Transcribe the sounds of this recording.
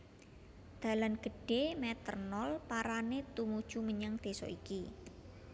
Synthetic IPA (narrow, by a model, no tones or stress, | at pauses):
d̪̥a̤lanɡ̥ə̤ɖ̥emɛt̪ə̰rnɔlpaɾanet̪umud̥ʒ̥ṳməɲəŋd̪̥e̤sɔ̰ʔiki